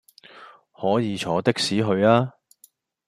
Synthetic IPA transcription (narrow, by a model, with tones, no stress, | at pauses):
hɔː˨˥jiː˨˧t͡ʃʰɔː˨˥t̪ɪ˥k̚siː˨˥ɦɵ˧ɥaː˥